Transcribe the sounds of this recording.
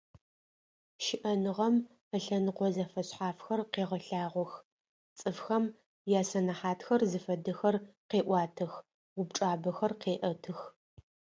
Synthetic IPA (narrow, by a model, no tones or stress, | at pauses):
ʃɪʔɐnɨʁɐm | əɬɐnɨqʷɔzɐfɐɕħaːfxɐrqeːʁɐɬaːʁʷɔx | t͡sʼɨfxɐm | jaːsɐnɐħaːtxɐrzɨfɐdɨxɐrqeːʔʷɑːtʰɨxʷ | ʊbʈ͡ʂʼaːbɐxɐrqeːʔɐtʰɨx